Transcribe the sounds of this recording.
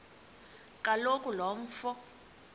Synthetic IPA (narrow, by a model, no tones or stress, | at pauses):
kʼalokʼulɔɱ̩fɔ